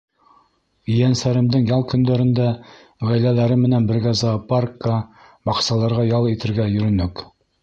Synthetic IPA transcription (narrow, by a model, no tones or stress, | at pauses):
ijænsæɾɘ̆md̪ɘŋjɑlˠkɵ̆nd̪æɾɘ̆nd̪æ | ʁæjlælæɾɘmɘ̆nænbɘ̆ɾɡæzɑparkːə | bɑqsɑlˠɑɾʁɑjɑlˠit̪ɘ̆ɾɡæjɵ̆ɾɵ̆nɵk